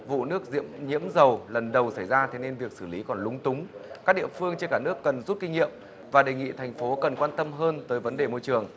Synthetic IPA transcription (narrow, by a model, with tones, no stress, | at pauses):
vṵ˧˨nɨ˦˥ək̚zḭ˧˥əmɲḭ˧˥əmzə˨˩wlə˨˩nɗə˨˩wsa˧˩jzaː˧t̪ʰe˨˦ne˧nvi˨˩ək̚sɨː˧˩li˨˦kɔ˨˩nlʊ˨˦ŋ͡mt̪ʊ˨˦ŋ͡mkaː˦˥k̚ɗḭ˧˨əfɨ˧əŋt͡ɕe˧nkaː˧˩nɨ˦˥əkːə˨˩nzu˦˥t̚ki˧ŋ̟ŋḭ˧˨əm | vaː˨˩ɗe˨˩ŋḭ˧˨t̪ʰa˨˩ŋ̟fo˨˦kə˨˩nkwaː˧nt̪ə˧mɦəː˧nt̪əː˨˦jvə˨˦nɗe˨˩mo˧jt͡ɕɨ˨˩əŋ